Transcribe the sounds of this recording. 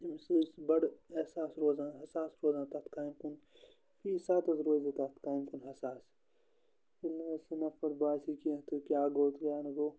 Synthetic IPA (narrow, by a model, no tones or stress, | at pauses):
imsuːsbɐɽesaːsɾoːzãːnɦɐsaːsɾoːzaːnt̪at̪ʰkaːjmkun | fʰiːsaːt̪ɐzɾoːzit̪at̪ʰkaːimkunɦɐsaːs | ulːɐesinɐfɐɾbaːsikiẽt̪okjaːɡoːt̪kjaːnɐɡoː